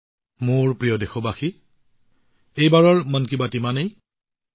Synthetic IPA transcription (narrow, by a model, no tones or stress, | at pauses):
mʊɹpɹijɔdexɔbaxi | ejbaɹɔɹmɔnkibatimanej